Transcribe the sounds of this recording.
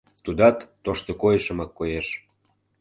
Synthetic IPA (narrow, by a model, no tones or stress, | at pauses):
t̪ud̪ɑt̪ːoʃt̪okojəʃə̆mɑkːojeʃ